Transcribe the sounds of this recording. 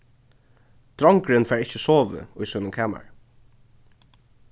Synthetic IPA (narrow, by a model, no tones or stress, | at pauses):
t̪ɾɔŋkɾɪnfɛːɹɪht͡ʃəsoːʋɪ̰ʊjsɔːnʊnkʰæːma̰ɹ